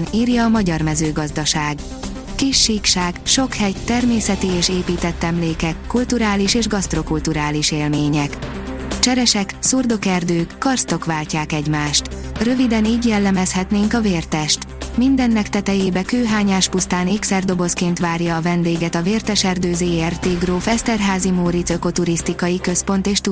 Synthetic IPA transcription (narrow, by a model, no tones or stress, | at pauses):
niːrjɒːmɒɟɒrmɛzøːɡɒzd̪ɒʃaːɡ | kiʃːiːkʃaːɡʃo̞khɛjt̪ɛrmeːsɛt̪ieːʃeːpiːt̪ɛt̪ːɛmleːkɛkːult̪uɾaːliʃeːʒɡɒst̪ro̞kult̪uɾaːliʃeːlmeːɲɛkt͡ʃɛɾɛʃɛksurd̪o̞kɛrd̪øːkːɒrst̪o̞kʋaːlcaːkɛɟmaːʃt̪rø̞vid̪ɛniːɟjɛlːɛmɛshɛt̪neːŋkɒveːrt̪ɛʃt̪mind̪ɛnːɛkt̪ɛt̪ɛjeːbɛkøːɦaːɲaːʃpust̪aːneːksɛrd̪o̞bo̞skeːnt̪ʋaːrjɒːvɛnd̪eːɡɛt̪ɒveːrt̪ɛʃɛrd̪øːzeːɛrt̪eːɡroːfɛst̪ɛrɦaːzimoːɾit̪sø̞ko̞t̪uɾist̪ikɒjikø̞spo̞nt̪eːʃt̪